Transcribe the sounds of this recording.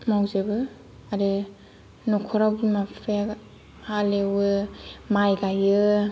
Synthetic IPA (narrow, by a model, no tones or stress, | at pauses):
mawzebɯ | aɾe | nɔkʰɔɾawɡimapʰe | halewɯmajɡajɯ